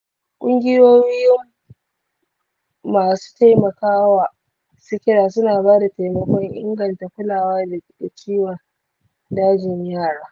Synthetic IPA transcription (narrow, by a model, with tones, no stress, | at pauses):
kʷʼʊ˦ŋɡʲɪ˦joː˦jjɪ˦m | aː˨su̥ː˦ta˦jmɐ˨kaː˦wa˨ | sɪ˦kʲɪ˦ɽaː˨sʊ˦naː˨baː˦da˨ta˨jmɐ˨kʷɔ˦ŋʔɪ̰˦ŋɡɐ˨nta˨kʷʊ˦laː˨waː˦da˨˦ɗa˨t͡ʃiː˦wa˨ | daː˦d͡ʒɪ˨ɲjaː˦˨ɽaː˦